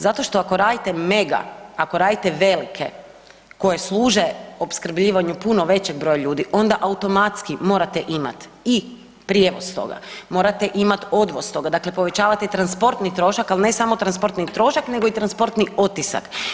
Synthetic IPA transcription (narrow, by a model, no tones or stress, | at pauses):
zat̪o̞ʃt̪o̞akoɾaːd̪it̪eme̞ɡa̰ako̞ɾaːd̪it̪e̞ʋe̞likʰe̞̰ | ko̞je̞slˠuːʒe̞o̞pskɾ̩bʎiːʋaɲupuno̞ʋe̞t͡ɕeɡ̚bɾo̞jaʎuːd̪iʔo̞nd̪aʔaut̪o̞mat̪skimo̞ːɾat̪eʔima̰t̪i | pɾjeʋost̪o̞̰ɡa̰mo̞ːɾat̪eʔimat̪o̞d̪ʋo̞st̪o̞ɡad̪akle̞po̞ʋe̞t͡ɕaːʋat̪eit̪ɾanspo̞ɾt̪nit̪ɾo̞ʃakalˠine̞samot̪ɾanspo̞ɾt̪nit̪ɾo̞ʃakne̞ɡoit̪ɾanspo̞ɾt̪niʔot̪isa̰k